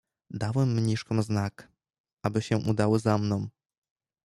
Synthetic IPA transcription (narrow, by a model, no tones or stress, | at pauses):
d̪awɛmːɲiʂkɔ̃w̃znak | ʔabɘɕɛʔud̪awɘzamnɔ̃w̃